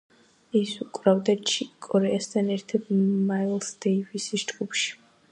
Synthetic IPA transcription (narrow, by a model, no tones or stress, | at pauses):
isukʼɾavd̪at͡ʃʰikʼɔɾɛast̪ʰanɛɾt̪ʰad̪̥mailˠsd̪ɛivisid͡ʒɡupʃi̥